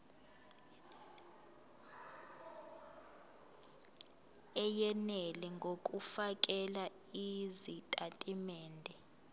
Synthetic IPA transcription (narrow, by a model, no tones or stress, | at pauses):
ɛjɛnɛlɛŋɡʱokʼufak̬ʼɛla | izitʼatʼimɛːndʱɛ